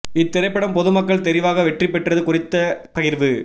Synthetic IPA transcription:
ɪt̪ːɪɾɐɪpːɐɽɐmpɔðɯmɐkːɐɭt̪ɛɾɪʋaːɣɐʋɛʈripːɛʈrɐðɯkʊrɪt̪ːɐpɐjɪɾʋɯ

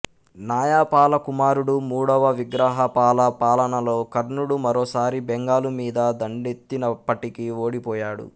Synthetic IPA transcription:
naːjaːpaːlɐkumaːɾuɽumuːɽɐʋɐʋiɡɾaːɦɐpaːlɐpaːlɐnɐlo̞ːkɐɾnuɽumɐɾoːsaːɾibɛŋɡaːlumiːd̪ɐd̪ɐɳɖet̪ːinɐpːɐʈikioːɽipɔːjaːɽṵ

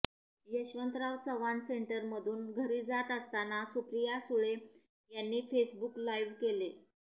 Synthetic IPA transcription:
jəɕʋənt̪ɾaʋt͡səʋanseɳʈəɾməd̪ʱuːnɡʱəɾiːd͡zat̪əst̪anasupɾijasuɭe | janːiːfesbuklajʋkele

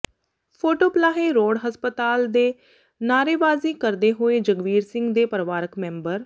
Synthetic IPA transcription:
pʰoːʈoːplaːɦeːɾoːɽɦəspət̪aːld̪eː | naːɾeːʋaːziːkəɾd̪eːɦoːeːd͡ʒəɡʋiːɾsɪ̃ŋɡd̪eːpəɾʋaːɾəkmɛ̃ːmbəɾ

